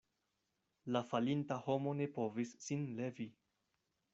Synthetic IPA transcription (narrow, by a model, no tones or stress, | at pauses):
lafalintaho̞mo̞ne̞po̞visːinle̞vi